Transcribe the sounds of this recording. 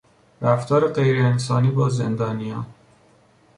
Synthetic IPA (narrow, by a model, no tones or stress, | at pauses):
ɾæft̪ʰɒːɾeɢe̞jɾeːnsɒːniːbɒːzend̪ɒːnijɒːn